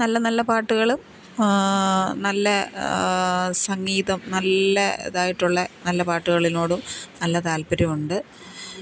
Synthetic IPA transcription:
nɐlːɐnɐlːɐpaːʈːuɣɐɭum | nɐlːɐ | sɐŋːiːðɐmnɐlːɐḛðaːjiʈːuɭːɐnɐlːɐpaːʈːuɣɐɭino̞ːɽumnɐlːɐt̪aːlpɐɾɐmuɳɖɨ

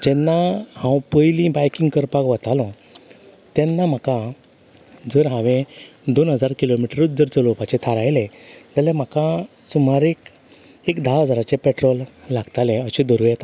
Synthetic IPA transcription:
d͡ʑɛnːahãwpəjlĩbajkĩŋɡkəɾpakʋat̪alɔ̃ | t̪ɛnːam̤akã | d͡zəɾɦãʋẽd̪onɦəd͡zaɾkilomiʈɾət̪̚d͡zəɾt͡səlopat͡ɕet̪ʰaɾajlẽd͡zalem̤akã | sum̤aɾek | ekd̪ʱaɦəd͡zaɾat͡ɕepɛʈɾɔlːaɡt̪alẽəɕĩd̪əɾujɛt̪a

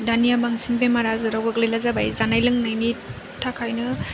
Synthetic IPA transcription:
danijabaŋsinbemaɾazɯɾawɡaɡlilazabajzanajlɯŋnajni | tʰakʰajnɯ

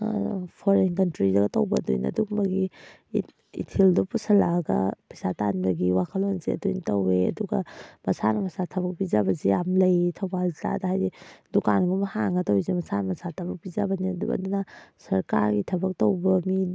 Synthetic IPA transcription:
pʰoɾenkɐntɾidaɡɐtɐwbɐdṵjnɐ̰dukbɐɡi | ḭtʰildupusɐlaɡɐ̰pɐjsatanbɐɡiwakʰɐlonzḛɐ̰dujntɐweɐ̰duɡɐ̰mɐsanɐmɐsatʰɐbɐk̚pizabɐzijamlɐjtʰɐwbalzta̰daɦajzidukanɡumɐhaŋɡɐtowizimɐsanɐmɐsatʰɐbɐk̚bizabɐniɐduɐ̰dunasɐɾkaɾɡitʰɐbɐk̚towbɐmi

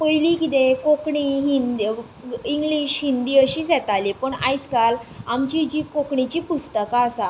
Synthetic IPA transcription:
pəjlikit̪ẽkokɳiɦind̪i | iŋɡliɕɦind̪iːəɕiːsɛt̪alipəɳa̰jt͡skalamt͡ɕid͡ʑiːkokɳit͡ɕiːpust̪əkaːsa

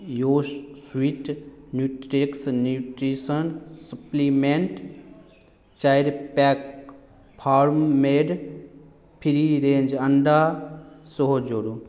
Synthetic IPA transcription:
joːswiʈnjuːʈɾeksnjuːʈɾiːsənsɐplimeɳʈ | t͡ʃaːjɾpɛːk | pʰaːɾmmeːɖ | pʰiɾiɾẽːnd͡ʒɐɳɖasoɦod͡ʒoːɾu

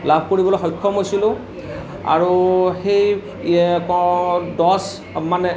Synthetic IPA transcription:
labʱkoɹibɔlojxɔjkʰːɔmɦojsilʊ̃ | a̰ɹuxej | kdɔs | manɛ

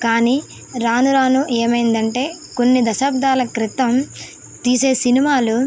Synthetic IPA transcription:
kaːniː | ɾaːnuɾaːnuʔeːmɐjind̪ɐɳʈe̞ː | ko̞nːid̪ɐʃɐbd̪aːlɐkɾit̪ːɐm | t̪iːse̞ːsinimaːlu

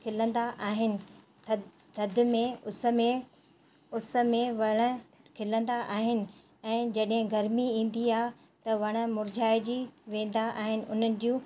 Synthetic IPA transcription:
kʰɪlə̃nd̪aʔaːɦɪnɪ̆ | t̪ʰɐd̪ɪ̆mẽʊsə̆mẽ | ʊsə̆mẽʋɐɽ̃ə̆ | kʰɪlə̃nd̪aʔaːɦɪnɪ̆ | ɛ̃ːd͡ʑɐɗɦɪ̃ɡɐɾmiĩːn̆d̪iaːɦ | t̪ɐʋɐɽ̃ə̆mʊɾd͡ʑʱaːɪd͡ʑiʋẽːn̆d̪aʔaːɦɪnɪ̆ʔʊn̤ənɪ̆d͡ʑiũː

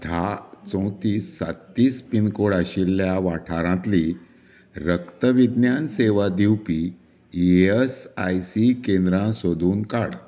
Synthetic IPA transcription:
t̪ʰat͡sõw̃t̪iːsːa̰t̪ːiːspinkoɽaɕilːjaʋaʈʰaɾãt̪li | ɾəkt̪əʋid̪njanseʋad̪iwpi | esajsikẽnd̪ɾãsod̪ʱuːnkaɽ

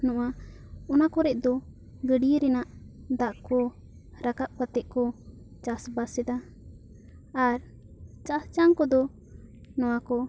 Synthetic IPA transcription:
nɔʔa | ɔnakɔɾɛʔ̚d̪ɔ | ɡəɖiɾɛnaʔd̪aʔkɔ | ɾakap̚kat̪ɛʔ̚kɔ | t͡ʃasbasɛd̪a | aɾ | t͡ʃast͡ʃaŋkɔd̪ɔ | nɔwakɔ

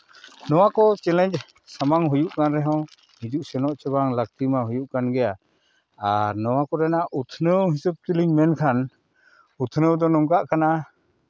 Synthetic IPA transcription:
nɔwakɔt͡ʃɛlɛɲ | samaŋɦujuʔkanɾɛɦaw | nid͡ʒuʔsɛnɔʔt͡ʃəbaŋlak̚t̪imaɦujuʔkanɡɛjaː | ɾnɔwakɔɾɛnaʔut̪ʰnəwɦisəp̚t̪iliŋmɛnkʰan | ut̪ʰnəwd̪ɔnɔŋkaʔkʰana

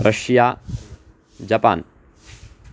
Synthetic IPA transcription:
ɾɐʂjaː | d͡ʒɐpa̰ːn

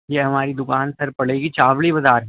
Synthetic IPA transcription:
jeːɦɐmaːɾid̪ʊkaːnsɐɾpɐɽeːɡit͡ʃaːʋɭibɐzaːɾɦɛ

